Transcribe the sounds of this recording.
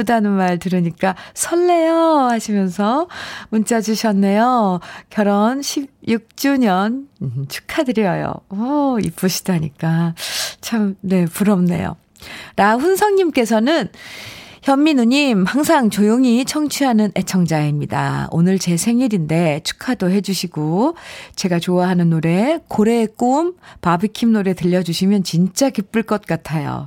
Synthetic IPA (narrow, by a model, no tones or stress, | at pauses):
udanɯnmaɭtɯɾɯɲik͈asʰʌɭːe̞jʌhaɕʰimjʌnsʰʌmunt͡ɕ͈ʰad͡ʑuɕʰʌnːe̞jokjʌɾʌnɕʰib̚juk̚t͡ɕ͈uɲʌnt͡ɕʰu̥kʰadɯɾiʌjo̰ʌḭp͈ɯɕʰi̥d̥oɦaɲḭk͈at͡ɕʰamne̞puɾʌmne̞̰jo̰ | ɾaɸunsʰʌŋɲimk͈e̞sʰʌnɯn | çjʌmːinuɲimhaŋsʰaŋt͡ɕojoŋit͡ɕʰʌŋt͡ɕʰiɦanɯne̞t͡ɕʰʌŋd͡ʑaemɲida̰o̰nɯɭt͡ɕe̞sʰe̞ŋiɾinde̞t͡ɕʰu̥kʰadoɦe̞d͡ʑuɕʰiɡot͡ɕe̞ɡat͡ɕoaɦanɯnːoɾe̞koɾe̞k͈ompabikʰimnoɾe̞tɯʎːʌd͡ʑuɕʰimjʌnt͡ɕint͡ɕ͈akip͈ɯɭk͈ʌt̚k͈atʰajo̰